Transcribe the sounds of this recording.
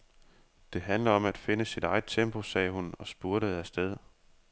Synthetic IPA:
d̥e̝ɦænlɐɒ̽mæd̥fe̝nəsid̥ɑ̈ɪð̩ˠt͡sʰemb̥ʰo̝sɛ̰ːhunɒ̽sb̥uɐɾəð̩ˠæsd̥eð̞ˠ

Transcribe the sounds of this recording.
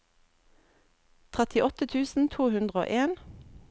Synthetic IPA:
t̪ʰʁɛt̪ɪʔɔt̪ət̪ʰʉːsn̩t̪ʰuːhʉnd̪ʁəo̰ːʔeːn

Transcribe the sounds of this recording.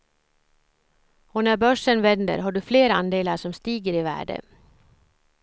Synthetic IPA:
ɔnæɾbœʂənvɛnd̪ə̰ɾɦaɖɵfleːɾand̪eːlaʂɔmst̪iːɡəɾɪvæ̰ːɖə̰

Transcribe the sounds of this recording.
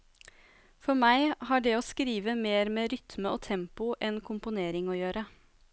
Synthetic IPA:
fɔɾmæɪhɑːɖɛːoːskɾiːʋəmeːɾmeːɾʏt̪məoːt̪ʰɛmpʊʔɛnkʰʊmpʊneːɾɪŋoːjøːɾə

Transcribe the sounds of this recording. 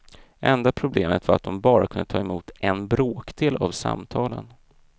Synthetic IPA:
ʔɛnd̪apʰɾʊbleːmət̪vaɾat̪̚d̪ɔmbɑːɾakʰɵnd̪ət̪ʰɑːɛmuːt̪ʔɛnbɾoːkd̪eːlavsa̰mt̪ʰɑːlən

